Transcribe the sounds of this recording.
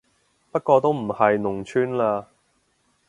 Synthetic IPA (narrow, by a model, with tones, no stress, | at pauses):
pɐ˥t̚kɔː˧t̪o˥wm̩˨˩hɐ˨jnʊ˨˩ŋt͡ʃʰyː˥nlaː˧